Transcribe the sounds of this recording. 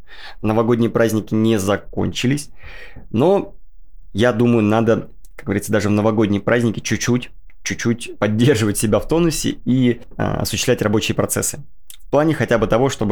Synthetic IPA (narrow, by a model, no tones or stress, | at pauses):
nəvɐɡo̞dʲnʲɪjəpɾazʲnʲɪkʲɪnʲɪzɐko̞̰nʲt͡ɕɪlʲɪsʲ | no̞ | jad̪uməjʊnad̪ə | kak̚ɡəvɐɾʲit̪əd̪aʐɨvnəvɐɡo̞dʲnʲəjpɾʔazʲnʲɪkʲɪt͡ɕʊt͡ɕːutʲ | t͡ɕːʉt͡ɕːutʲpɐdʲːe̞rʐɨvətʲsʲɪbʲaft̪o̞nʊsʲɪ̰ḭ | ɐ̰sʊɕːst̪lʲætʲrɐbo̞t͡ɕɪjəpɾɐt̪sɛsːɨ̥ | fplˠanʲɪxɐtʲabɨt̪ɐvo̞ʂt̪o̞bɨ